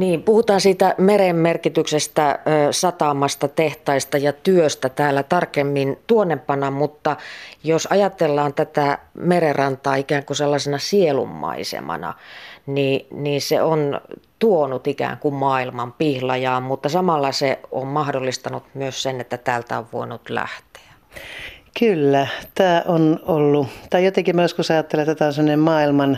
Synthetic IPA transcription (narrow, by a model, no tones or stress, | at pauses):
niːmpuhut̪ɑːnsiːt̪æmeɾemmerkit̪yksest̪æːsɑt̪ɑmɑst̪ɑt̪eht̪ɑist̪ɑjɑt̪yøst̪æt̪æːlːæt̪ɑrkemːint̪uonːempːɑnɑmut̪ːɑjosɑjɑt̪elːɑːnt̪æt̪æmererɑnt̪ɑːikæːŋkuselːɑsenɑsielṵmːɑ̰isḛmɑ̰nɑ̰niːniːsḛont̪uonut̪ikæ̰ːŋkummɑːilmɑmpihlɑjɑːmmut̪ːɑsɑmɑlːɑseommɑhdolːist̪ɑnut̪myøssenet̪ːæt̪æːlt̪æoʋʋo̰inut̪læ̰ht̪e̥æ̥ | kylːæt̪æːʔonolːut̪ɑijot̪eŋkimɑjoskusɑjɑt̪ːelet̪æt̪æonsemːŏnemmɑːilmɑn